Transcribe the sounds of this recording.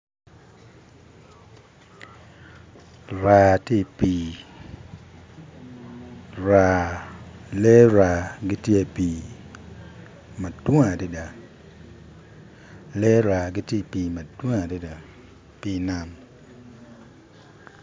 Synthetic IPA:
ɾa˨te˦˨pi˦ | ɾa˨ | le˦ɾa˨ɡi˦tje˦˨piː˨ | ma˨dwo˦ŋa˨di˦da˨ | le˦ɾa˨ɡi˦tje˦˨piː˨mɐ˨dwo˦ŋa˨di˦da˨ | pi˦na˦m

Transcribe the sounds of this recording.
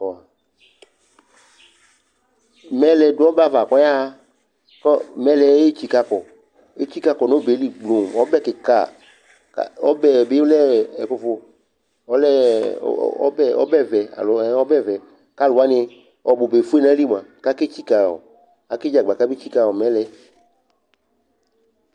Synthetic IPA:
ɔ˨a˨ | mɛ˦lɛ˨do˦ɔ˦ba˦˨va˨kɔ˦ja˦ | kɔ˦mɛ˦lɛ˨˦e˦t͡ʃi˦ka˦kɔ˨ | e˦t͡ɕi˦ka˦kɔ˨no˦be˨˦li˨ɡ͡blo˨m˨ɔ˦bɛ˦ke˨ka̰˨ | ka̰˨ɔ˦bɛ˨be˦lɛ˦ɛ˨ko˨fo˨ | ɔ˦lɛ̰˦ | ɔ̰˦bɛ˦ɔ̰˦bɛ˦vɛ˨a̰˨lo˨˦ɔ˦bɛ˦vɛ˨ | ka˦lo˨a˦nɪ˦ | ɔ˨bo˨be˨fu˦e˦nã˦li˦m˨ã˨ka˦ke˦t͡ɕi˦ka˨wɔ̰˨ | ka˨ke˦d͡ʒa˨ɡ͡ba˨ka˦be˦t͡ɕi˦ka˨wɔ˨mɛ̃˦lɛ˨

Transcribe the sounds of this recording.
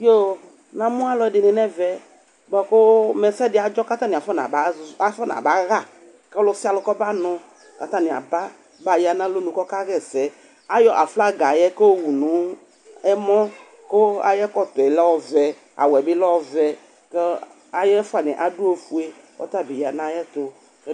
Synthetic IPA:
jo˦ | nã˨mũ˦a˦lɔ˨ɛ˦dɪ˨nɪ̃˨nɛ̃˦vɛ˨ | bɔ˨ko˦mɛ˨sɛ˦dɪ˨a˨d͡ʒɔ˦ka˦t̪ã˦nĩ˨fɔ˦nã̰˨ba˨˦za˦fɛ˦nã̰˨ba˨˦ɣa˦ | kɛ˦lɔ˦si˦a˦˨lɔ˦kɔ˦ba˦nʊ̃˦ | ka˦t̪ã˦nĩ˨a̰˨ba˦ | ba˨ja˨nã˦lo˦nũ˨kɔ˦ka˦ɣɛ˦sɛ˨˦ | a˦jɔ˨ʔa˨fla˦ɡa˨jɛ˦ko˦o˦wu˨nũ˨˦ | ɛ˦mɔ̃˦ | ko˦a̰˦jɛ˦kɔ˦t̪ɔ˨˦lɔ˦wɔ˦vɛ˨ | a̰˨wɛ˨bɪ˦lɔ˦wɔ˦vɛ˨ | kɛ˦ | a˨jɛ˦fʊ˦a˨nɛ̃˨ʔa˨du˦o˦fu˦e˦ | ɔ̰˦t̪a˦bi˨ja˨nã˦jɛ˦t̪ʊ˨ | kɛ˦

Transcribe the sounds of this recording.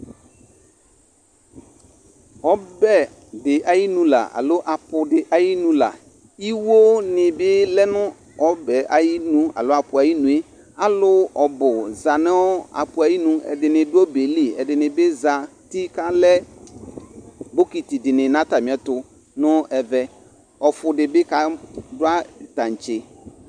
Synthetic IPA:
ɔ˦bɛ˦ | dɪ˨ʔa˨ji˦nũ˨la̰˨a̰˨lo˦ʔa˨pʊ˨dɪ˨ʔa˨ji˦nũ˦la̰˨ | i˦wo˦nɪ̃˨bɪ˦lɛ˦nʊ̃˦ | ɔ˨bɛ˨ʔa˨ji˦nũ˦a̰˨lo˦a˨pʊ˨a˨ji˦nũ˨˦e˦ | a˨lʊ˦ɔ˨bʊ˨za˨nɪ˦ɔ˦a̰˨pʊ˨a˨ji˦nũ˨ɛ̰˨dɪ˨nɪ̃˨dʊ˦ɔ˦be˨li˦ɛ˨dɪ˨nɪ̃˨bɪ˦za˨ti˦ka˦lɛ˦ | bo˦ki˨ti˨dɪ˨nɪ̃˨nã˦ta˨mɪ̃˨ɛ˨tʊ˨ | nʊ̃˦ɛ˨vɛ˦ | ɔ˨fʊ˨dɪ˨bɪ˦ka˦dʊ˦a˦ta˨n̩˨t͡ʃɪ˨

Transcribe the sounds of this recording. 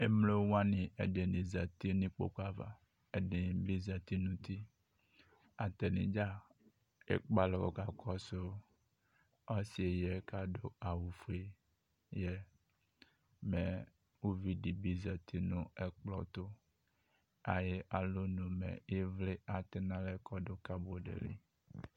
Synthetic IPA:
e˦mle˦wwa˦nĩ˨ḛ˨ɖe˨nĩ˨zɛ˨t̪i˦nĩ˦k͡po̰˨ka˨va̰˨ | e˨ɖi˨bi˦zɛ˨t̪i˦nũ˦t̪i˦ | a˨t̪e˨nḭ̃˨d͡ʒa˦ | ḛ˨k͡pa˦le˨wo̰˨ɡa˨kʰɔ˦so˦ | ɔ˦si˨e˨jɛ˦ka˦ɖo˦a˨wu˨fu˦e˦ | jɛ˦ | me˨ | wu˦vi˦ɖi˨bi˦zɛ˨t̪i˦nũ˦e˦k͡plɔ˨t̪o˦ | a˨je˦ʔa˨lo˦nũ˨mḛ̃˨je˦vle˦a˨t̪e˦nã˦le˦kɔ˦ɖo˦ka˦bo˨ɖḛ˨lḭ˦

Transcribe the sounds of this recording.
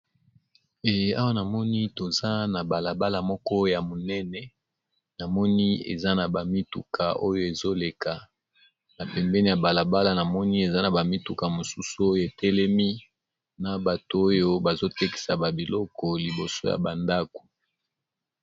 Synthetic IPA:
e˨ja˦wa˦na˨mɔ˦ni˦to˨za˦na˨ba˨la˨ba˦la˨mɔ˦kɔ˦ja˨mo˨nɛ˦nɛ˨ | na˨mɔ˦ni˦ḛ˨za˦na˨ba˨mi˦tṵ˨ka̰˨ʔo˦jo˦e˨zo˦le˨ka˨ | na˨pɛ˨mbɛ˦ni˦ja˨ba˨la˨ba˦la˨na˨mɔ˦ni˦e˨za˦na˨ba˨mi˦tu˨ka˨mo˨su˦su˦o˦jo˦˨e˨tɛ˦lɛ˦mi˦ | na˨ba˨to˨o˦jo˦ba˨zo˦tɛ˦ki̥˨sa˨ba˨bi˨lɔ˦kɔ˨li˨bo˨so˦ja̰˨ba˨nda˦ko̥˨

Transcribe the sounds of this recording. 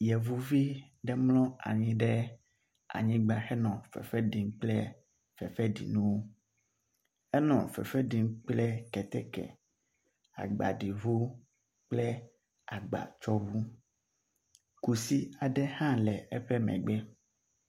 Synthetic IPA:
jɛ˨vu˦vi˦ | ɖɛ˦mlɔ̃˦a̰˨ɲĩ˦ɖɛ˦ | a̰˨ɲĩ˦ɡ͡ba˦xɛ˦nɔ̃˨fɛ̰˨fɛ˦ɖi˨ŋ˦k͡plɛ˦ | fɛ˨fɛ˦ɖḭ˨nũ˦wo˦ | ɛ˦nɔ̰̃˨fɛ̰˨fɛ˦ɖi˨ŋk͡plɛ˦kɛ˨t̪ɛ˦kɛ̰˨ | a̰˨ɡ͡ba̰˨ɖi˨vu˦ | k͡plɛ˦ | a˨ɡ͡ba̰˨t͡ʃɔ˦vu˦ | ku˨si˦a˨ɖɛ˦hã˦lɛ˨ɛ˦ɸɛ˦mɛ̰̃˨ɡ͡bɛ˦

